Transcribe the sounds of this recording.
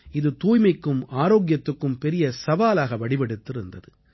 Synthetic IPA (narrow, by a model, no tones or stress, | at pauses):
ɪðɯt̪uːjmɐɪkːɯmaːɾoːɣɪjɐt̪ːɯkːɯmpɛɾɪjɐsɐʋaːlaːɣɐʋɐɽɪpɛɽɯt̪ːɪɾɯnd̪ɐðɯ